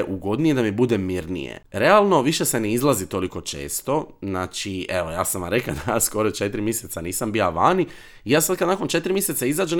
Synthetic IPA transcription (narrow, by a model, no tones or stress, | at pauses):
ʔuɡo̞d̪nije̞d̪amibud̪emiɾnḭjḛɾealˠno̞ʋiʃe̞se̞neizlˠazit̪o̞liko̞t͡ʃḛːst̪o̞znaːt͡ʃieʋo̞ja̰ːsamaɾeklad̪ajasko̞ɾot͡ʃe̞t̪ɾimjeset̪saniːsambiaʋaːni | ijaːsad̪kad̪naːko̞nt͡ʃe̞t̪ɾimjeset̪saizaːd͡ʒe